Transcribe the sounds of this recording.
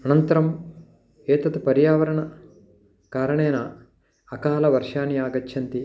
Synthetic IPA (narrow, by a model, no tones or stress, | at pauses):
ɐnɐnt̪ɐɾɐm | eːt̪ɐt̪upɐɾjaːʋɐɾɐɳɐ | kaːɾɐɳeːnɐː | kaːlɐʋɐɾʂaːniaːɡɐtːʃʰɐnt̪i